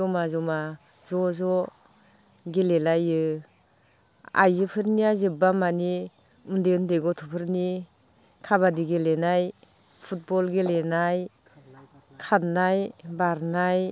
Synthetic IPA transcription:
ɔmazɔma | zɔzɔ | ɡelelajɯ | a̰jzɯpʰɯɾniazɯbamani | undeundeɡɔtʰupʰɯɾni | kʰabadiɡelenaj | pʰut̚bɔlɡelenaj | kʰatnajbaɾnaj

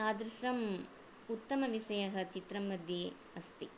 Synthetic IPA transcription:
aːd̪ɾɪʂɐm | ut̪ːɐmɐʋisɐjɐɦɐt͡ʃit̪ɾɐmːɐd̪jeː | ɐst̪i

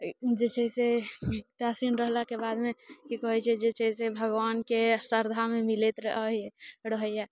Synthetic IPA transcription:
d͡ʒet͡ʃəiset̪asinɾəɦlakebad̪mekikɔɦɛt͡ʃʰɛd͡ʒet͡ʃəisebʱəɡʋankesəɾd̪ʱamemilet̪ɾəəɦiɛɾəɦəjja

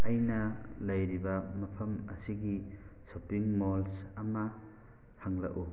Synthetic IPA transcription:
ɐjnɐlɐjɾibɐmɐpʰɐmɐ̰siɡisopiŋmolsɐmɐ | haŋlɐ̰ku

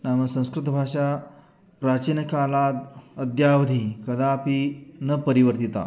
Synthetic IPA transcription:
naməsə̃w̃skɾɪt̪əbʱaʂa | ɾat͡ɕinəkalad̪əd̪jaʋəd̪ʱikəd̪apinəpəɾiʋəɾt̪it̪a̰

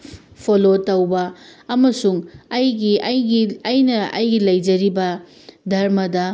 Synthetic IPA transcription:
pʰolotɐwbɐːmɐsuŋɐjɡiɐjɡiɐjnɐɐjɡilɐjd͡ʒɐɾibɐ | dʱɐɾmɐdɐ

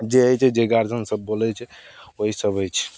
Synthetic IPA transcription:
d͡ʒeəjt͡ʃʰɛd͡ʒeɡaɾd͡ʒənsəbːolɛt͡ʃʰɛ | oɦisəbəjt͡ʃʰɛ̥

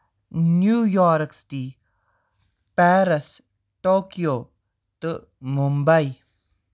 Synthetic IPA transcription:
njujɔɾkst̪i | paɾɐs | tokio | t̪ə | mumbaj

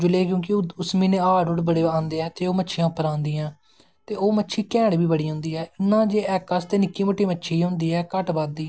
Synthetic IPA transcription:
d͡ʒʊleːk̬jõːkɪʊsmĩːnẽːaːɖʊʈbəɽeːãːnd̪eːɛːt̪eːoːmətːʃʰɪjãːpːəɾãːnd̪iːãː | tt̪eːoːmətːʃʰiːkɛ̃ːɽbiːbəɽiːɦʊ̃ːnd̪iːɦɛːɪnːãːd͡ʒeːɛːkːəst̪eːnɪkːiːməʈːiːmətːʃʰiːɦʊ̃nd̪iːɛːkəʈbaːd̪iː

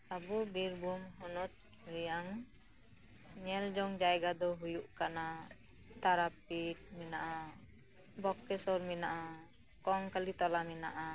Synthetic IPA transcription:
sabubiɾbumɦɔnɔt̪̚ | ɾijaŋ | ɲɛld͡ʒɔŋd͡ʒaɛɡad̪ɔɦujuʔkana | t̪aɾap̚it̪̚minaʔa | bɔkːɛsɔrminaʔa | kɔŋkalit̪ɔlaminaʔa

